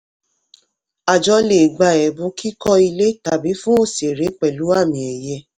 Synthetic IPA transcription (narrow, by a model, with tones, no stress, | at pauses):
a˨d͡ʒɔ˧˦le˨ɡ͡ba˧˨ɛ˨bũ˧˦ki˦kɔ˧i˧le˦ta˨bi˨˦fũ˦o˦˨se˨ɾe˨˦k͡pɛ˨lu˨˦a˦˨mĩ˨ɛ˨jɛ˧˦